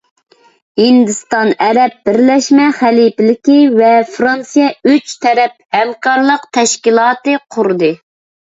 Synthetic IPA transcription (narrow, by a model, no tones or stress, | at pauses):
hind̪ɨst̪ɑnɛɾɛp̚bɪɾlɛʃmɛχælipɪlɪkʲivɛfɾɑnsijɛyt͡ʃt̪ʰɛɾɛp̚hɛmqɑɾlˠəqt̪ʰɛʃkʲilˠɑːt̪ɨqʰʊɾd̪ɨ